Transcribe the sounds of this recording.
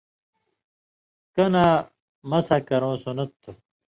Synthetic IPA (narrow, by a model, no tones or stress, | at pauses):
kɐna | mɐsɐkɐɾõːsunɐt̪ːu